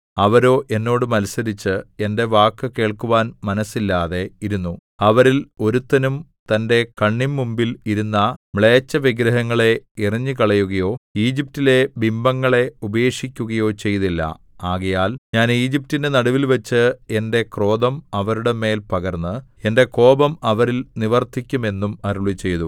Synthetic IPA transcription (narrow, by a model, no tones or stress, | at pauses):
ɐʋɐɾo̞ːʔe̞nːo̞ːɽumɐlsɐɾit͡ɕːɨe̞nde̞ʋaːkːɨke̞ːɭkuʋaːnmɐnɐsːilːaːðe̞iɾunːu | ɐʋɐɾilo̞ɾut̪ːɐnumt̪ɐnde̞kɐɳːimːumbiliɾunːɐmɭeːt͡ɕːɐʋiɡɾɐɦɐŋːɐɭe̞irɐɲːɨkɐɭɐjuɣɐjo̞ːiːd͡ʑip̚tile̞bimbɐŋːɐɭe̞ubɐeːʂikʲːuɣɐjo̞ːt͡ɕe̞jt̪ilːɐ̰ | aːɣɐjaːlɲaːniːd͡ʑip̚tːinde̞nɐɽuʋilʋɐt͡ɕːɨende̞kro̞ːd̪ɐmɐʋɐɾuɽe̞me̞ːlpɐɣɐrnːɨe̞nde̞ko̞ːbɐmɐʋɐɾilniʋɐrt̪ʰikʲːume̞nːumɐɾuɭit͡ɕːe̞jt̪u